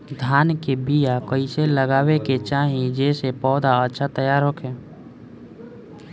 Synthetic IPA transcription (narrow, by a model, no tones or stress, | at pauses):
d̪ʱaːnkebijakəiseləɡaːweket͡ʃaːɦĩd͡ʒeːsepɔːd̪aətːʃʰat̪əjaːɾɦokʰẽː